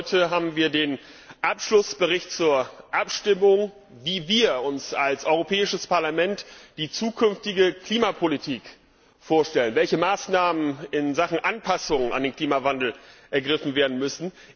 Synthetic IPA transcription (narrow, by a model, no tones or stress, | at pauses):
ɔʏtʰəɦaːbm̩viːɐdeːn | ʔapʃlʊsb̥əʁ̞ɪçtt͡suːɐʔapʃtɪmʊŋ | viːviːɐʊnsalsʔɔʏʁopʰɛːɪʃəspaɐlamɛntd̥iːt͡suːkʰʏnftɪɡəkʰl̥iːmapʰolitʰiːk | foːɐʃtɛlənvɛlçəmaːsnaːmənɪnzaχn̩ʔanpʰasʊŋəna̰ndeːnkʰl̥iːmavandl̩ʔɛɐɡʁɪfn̩veːɐdn̩mʏsn̩